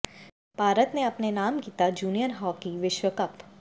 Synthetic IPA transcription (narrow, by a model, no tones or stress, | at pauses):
b̥ʱaːɾət̪neɐpnenaːmkiːt̪ad͡ʒuːnijənɦɔːkiʋɪʃwəkəp